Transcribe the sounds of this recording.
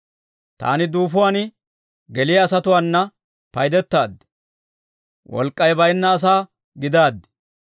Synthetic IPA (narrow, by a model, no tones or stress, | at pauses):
t̪a̰ːnɪd̪uːfʊwaːnɪ | ɡɛlɪjɐːsɐt̪ʊwaːnːɐ | pɐjd̪ɛt̪ːaːd̪ː | wɔ̰lkʼːɐjbɐjnːɐːs̬aː | ɡɪd̪aːd̪ːɛ̥